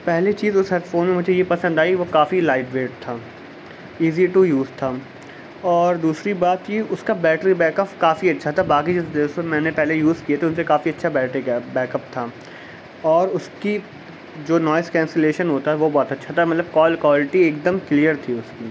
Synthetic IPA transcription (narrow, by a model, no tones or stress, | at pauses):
pɛɦlet͡ʃiːzʊsɦɛɾʈfoːnmẽmʊd͡ʒʱejepɐsə̃nd̪aːiiʋokaːfilaːɪʈʋeːʈ̚t̪ʰaː | iːziʈujuːzt̪ʰaː | ɔːɾd̪uːsɾibaːt̪jiʊskabɛːʈəɾibɛːkəpkaːfiɐtːʃʰat̪ʰabaːkid͡ʒɐd̪ːsomɛ̃ːnepɛɦlejuːzkiet̪ʰeʊnsekaːfiɐtːʃʰabɛːʈekːbɛːkɐp̚t̪ʰaː | ɔːɾʊski | d͡ʒoːnɔːɪskɛ̃ːnseleːʃənɦoːt̪aɦɛʋobɔːt̪ɐtːʃʰat̪ʰamɐt̪ləb̚kɔːlkwaːlɪʈieːkd̪əmklijəɾt̪ʰiʊskiː